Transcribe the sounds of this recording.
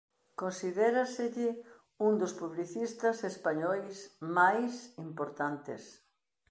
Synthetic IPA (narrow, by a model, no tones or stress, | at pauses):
konsiðɛɾasɪʎɪ | und̪ʊspuβliθist̪ɐsespaɲɔjsmajsimpoɾt̪ant̪ɪ̰s